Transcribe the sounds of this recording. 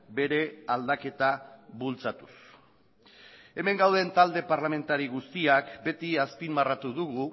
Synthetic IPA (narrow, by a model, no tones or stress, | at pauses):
be̞ɾe̞ald̪ake̞t̪aβult͡sat̪u̥s | e̞me̞ŋɡawðe̞nt̪ald̪e̞paɾlame̞nt̪aɾiɣ̞ust̪iakbe̞t̪iaspimbarat̪uðuɣu